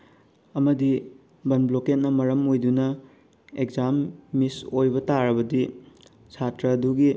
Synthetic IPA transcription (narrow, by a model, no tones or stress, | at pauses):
ɐmɐdi | bɐnbloket̚nɐmɐɾɐmojdunɐ | ekzamːisojbɐtaɾɐbɐdi | sʰatɾɐːduɡi